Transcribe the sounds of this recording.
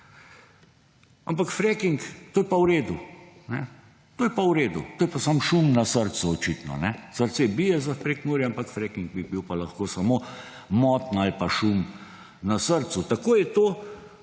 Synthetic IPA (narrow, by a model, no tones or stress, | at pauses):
ampakfɾɛkiŋkt̪oːjɛpawɾeːd̪unɛ | t̪oːjɛpawɾeːd̪ṵt̪oːjɛpasamʃumnasəɾsuɔt͡ʃit̪nɔ̰nɛsəɾt̪sebijɛzafpɾeknuːɾjɛampakfɾɛkiŋɡ̚bibiwpalaxkoːsamo | mɔt̪nalpaʃum | nasəɾt̪sut̪akoːjɛt̪oː